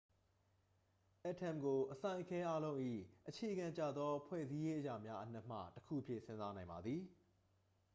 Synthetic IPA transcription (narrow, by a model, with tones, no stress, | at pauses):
ʔɛ˦ʔtʰɛ̃˨mɡo˨ʔəsã˨ɪ̃kʰɛ˦ʔa˦lõ˦ʊ̃ʔḭ˦˨ʔət͡ɕʰe˨əɡã˨ɲt͡ɕa̰˦˨d̪ðɔ˦pʰwɛ̰˦˨zi˦je˦ʔəja̰˨mja˦ʔən̥ɛ˦ʔm̥ä̰˦˨təkʰṵ˦ʔəpʰjɪ̰̃˦˨ʔsɪ̃˦nza˦nã˨ɪ̃mba˨d̪ði˨